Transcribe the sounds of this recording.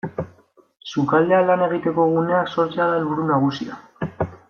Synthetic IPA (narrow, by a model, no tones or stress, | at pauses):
sukald̪e̞alane̞ɣ̞it̪e̞ko̞ɣ̞une̞akso̞ɾt͡sealaelβuɾunaɣ̞usia̰